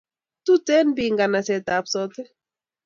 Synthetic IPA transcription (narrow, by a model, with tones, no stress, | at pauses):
tu˦tɛ˦nbi˨ŋɡa˨na˨sɛ˨t̪a˨psɔ˦t̪ɛ˦